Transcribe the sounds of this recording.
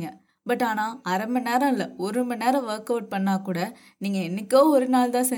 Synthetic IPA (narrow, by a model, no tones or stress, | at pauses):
ŋɡɐ | bɐʈːaːnaːɐɾɐmbɐneːɾɐ̃ɪlːɐɔɾɯɯmbɐneːɾɐ̃ʋɐːɾkɐʊʈ̚pɐɳːaːkuːɽɐ | niːŋɡɐɛnːɯkːoːɔɾɯnaːlt̪ãːsɛ